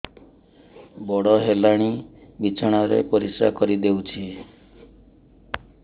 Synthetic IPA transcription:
bɔɽɔɦelaɽ̃ibit͡ʃʰɔɽ̃aɾḛpɔɾisa̰kɔɾid̪ewt͡ʃʰi

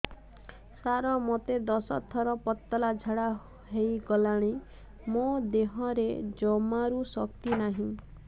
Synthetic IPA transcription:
saɾɔmɔt̪ed̪ɔsɔt̪ʰːɔɾɔpɔt̪ːɔlad͡ʒʱaɽa | ɦejɡɔlaɽ̃i | mod̪eɦɔɾed͡ʒɔmaɾusɔkt̪inaɦĩ

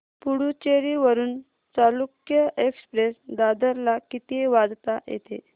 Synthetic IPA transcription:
puɽut͡ɕeɾiʋəɾuːn | t͡salukjəekspɾesd̪ad̪əɾlakit̪eʋad͡zt̪ajḛt̪e

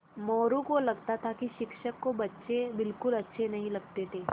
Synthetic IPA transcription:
mɔːɾũkolɐɡt̪at̪ʰakiʃɪkʃəkːobɐtːʃebɪlkʊlɐtːʃʰenɐɦĩlɐɡ̚t̪et̪ʰeː

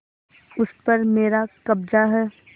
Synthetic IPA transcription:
ʊspɐɾmeːɾakɐbd͡ʒaɦɛː

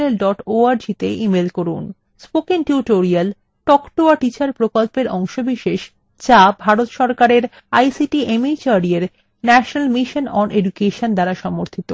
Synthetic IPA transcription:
elɖɔʈoaɾd͡ʑit̪eimelkoɾṵn | spokiŋʈuʈoɾial | ʈɔkʈoaʈit͡ɕaɾpɾokolpeɾʔɔŋʃobiʃeʃ | t͡ɕabʱaɾot̪ʃɔɾkaɾeɾ | ajsiʈiʔemit͡ɕaɾieɾ | nɛʃonalmiʃonɔnʔeɖukeʃond̪aɾaʃɔmoɾt̪ʰit̪o

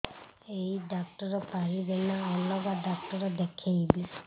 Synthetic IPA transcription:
ejɖak̚ʈɔɾɔpaɾibɛnaɔlːɔɡaɖak̚ʈɔɾɔd̪ekʰajbis

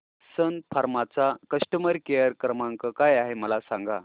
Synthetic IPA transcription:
sənfʰaɾmat͡sakəsʈəməɾkejəɾkɾəmaŋkəkajaɦeməlasaŋɡa̰

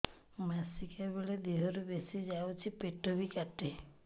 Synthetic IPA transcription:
masikabiɭed̪eɦɔɾubesid͡ʒawt͡ʃʰipeʈɔbikaʈe

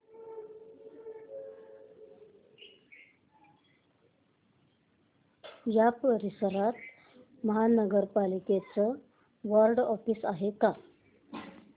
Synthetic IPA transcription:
japəɾisəɾat̪ | məɦanəɡəɾpaliket͡sə | ʋəɾɖɔfisaɦeka

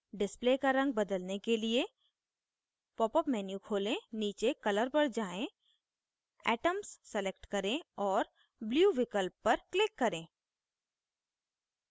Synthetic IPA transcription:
ɖɪspleːkaɾɐ̃ŋɡ̚bɐd̪əlnekelie | pɔːpəpmɛːnjukʰoːlẽniːt͡ʃekɐləɾpɐɽd͡ʒaːẽ | ɛːʈəmsːelek̚ʈkɐɾẽɔːɾ | bljuːʋɪkəlpːɐɾklɪkːɐɾẽː

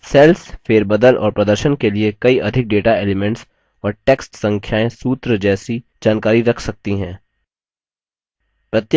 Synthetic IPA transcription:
sɛːlsfeːɾbɐd̪əlʔɔ̰ːɾpɾɐd̪əɾʃənkeliekɐiʔɐd̪ʱɪk̚ɖeːʈaeːlɪmɛ̃ɳʈs | ɔːɾʈɛːksʈsɐ̃ŋkʰjaːẽsuːt̪ɾəd͡ʒɛːsi | d͡ʒaːnkaːɾiɾɐkʰsɐk̚t̪iɦɛ̃ː | pɾɐt̪j

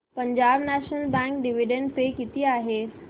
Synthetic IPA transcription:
pəɲd͡ʑabnæɕnəlbæ̃ŋkɖiʋiɖeɳɖpekit̪iːaɦe

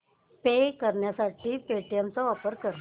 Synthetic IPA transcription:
pekəɾɳjasaʈiːpeʈijamt͡sɔɔpəɾkəɾ

